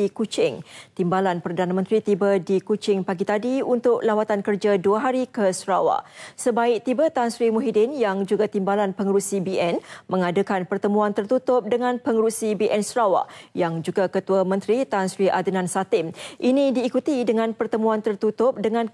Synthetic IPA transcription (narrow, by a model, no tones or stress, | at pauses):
ikut͡ʃɪŋt̪imbalanpərdanamə̃nt̪ɾit̪ibədikut͡ʃɪŋpaɡit̪adiunt̪ʊʔlawat̪ankərd͡ʒaduaɦaɾikəsɾawa̰ʔsəbaɪk̚t̪ibət̪ansɾimuɦidɪnjaŋd͡ʒuɡat̪imbalanpəŋəɾuʔsibiʔɛnmə̃ŋadəkanpərt̪əmũant̪ərt̪ut̪ʊp̚dəŋãnpəŋəɾusibiʔɛnsɾawa̰ʔjaŋd͡ʒuɡakət̪uamə̃nt̪ɾit̪ansɾiʔad̪ənãnsat̪ɪmʔinĩdiːkut̪idəŋãnpərt̪əmũant̪ərt̪ut̪ʊp̚dəŋãn